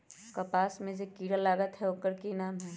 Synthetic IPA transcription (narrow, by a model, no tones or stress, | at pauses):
kɐpaːsmẽd͡ʒekiːɾalaːɡət̪ɦɛokəɾkinaːmɦɛː